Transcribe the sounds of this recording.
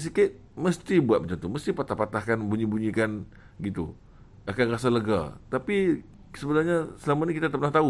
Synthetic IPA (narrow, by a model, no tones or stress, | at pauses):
s̬ikat̪̚məst̪ibua̰t̪̚mət͡ʃant̪uməst̪ipat̪ahpat̪ahkanbuɲibuɲikan | ɡit̪ṵ | akanras̬aləɡa̰t̪api | səbənarɲasəlamanikit̪at̪əpənaht̪au